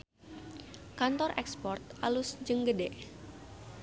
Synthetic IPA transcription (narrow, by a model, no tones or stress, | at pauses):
kant̪ɔrʔɛ̰kspɔrt̪̚ʔalusd͡ʒəŋɡədɛʔ